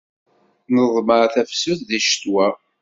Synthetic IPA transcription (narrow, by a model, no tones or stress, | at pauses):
nəðˤməɾθæfsʊθðiʃt̪wæ